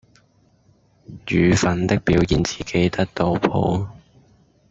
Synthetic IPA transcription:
jyː˨˩fɐ˨˥nt̪ɪ˥k̚piː˨˥wjiː˨˩nt͡si̥ː˨kʰe˨˥jt̪ɐ˥k̚t̪o˧wpʰo̰˨˥w

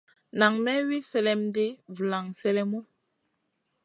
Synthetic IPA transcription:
na˨ŋmɛ˦wi˦sɛ˦lɛ˦mde˦vla˨ŋsɛ˦lɛ˦mo˦

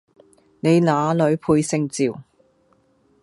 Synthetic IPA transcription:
ne˨˧jnaː˨˧lɵ˨˧ɥpʰuː˧jsɪ˧ŋt͡siː˨˩w

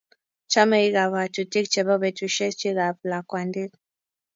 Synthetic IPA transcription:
t͡ʃa˦mɛ˨i˦ɣa˨βa˨tu˨ti˦kt͡ʃɛ˨βa˦βɛ˨tu˨ʃɛ˦t͡ʃi˦ɣapla˨kwa˨ndi˦k

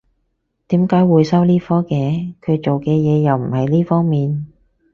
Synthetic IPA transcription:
t̪iː˨˥mkaː˨˥jwuː˨˧jsɐ˥wliː˥fɔː˥kɛː˨˧kʰɵ˨˧ɥt͡ʃo˨wkɛː˧jɛː˨˧jɐ˨wm̩˨˩hɐ˨˩jliː˥fɔː˥ŋmiː˨n

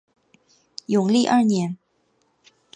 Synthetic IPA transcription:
jʊ˨˩ŋli˥˧ʔɐ˞˥˩njɛ˧˥n

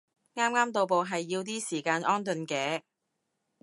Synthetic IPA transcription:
ŋaː˥mŋaː˥mt̪o˨wp̬o˨wɦɐ˨jːiː˧wt̪̬iː˥siː˨˩kaː˧nʔɔː˥nt̪ɵ˨˧nkɛː˨˥

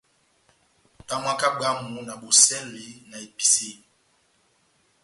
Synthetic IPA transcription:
ta˦mwa˦ka˦ɡ͡ba˦mu˨na˨ɓo˨sɛ˦nli˨˦na˨e˨pi̥˨se˦˨

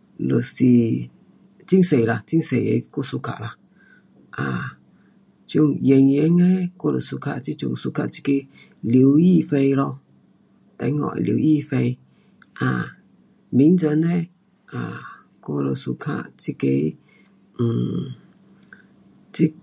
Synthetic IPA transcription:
lo˨si˨ | t͡ʃi˦ŋ˦se˨ɾa˧t͡ʃi˦ŋ˦se˨jḛ˨˦ko˦˨su˧ka̰˨ʔla˧ | a˨ | t͡ʃo˦ŋje˨˧ŋje˨˦ŋe˦ko˦lo̰˨su˧ka̰˧˨ʔt͡ʃi˦t͡ʃṵ˧˨ŋ˨su˧ka˧ʔt͡ʃi̥˦ke˧ | li˨wji˦fe˧jɾo˧ | ta̰˨˦ŋɔ̰˨ʔlḭ˨˦ji˦˨fe˧j | a˨ | bi˨˦n˦d͡ʒa˧ne˦ | a˨ | ko˦˧lo˧su˧kʰa̰˧ʔt͡ʃi˦ke˧˦˨ | t͡ʃi˦

